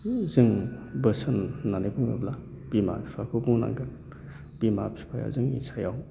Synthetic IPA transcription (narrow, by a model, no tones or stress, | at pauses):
zɯŋbəsɯnːanibuŋɯ̰bla | b̥ima̰pʰi̥pʰakʰɯbuŋna̰ŋɡɯn | b̥imapʰi̥pʰaja̰zɯŋḭsajaw